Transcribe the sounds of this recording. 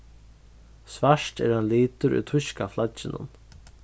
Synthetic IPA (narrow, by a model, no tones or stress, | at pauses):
sʋaʂʈɛ̰ːɾhanliːt̪ʊɾʏ̰t̪ʰʊʃkaflat͡ʃɪnʊ̰n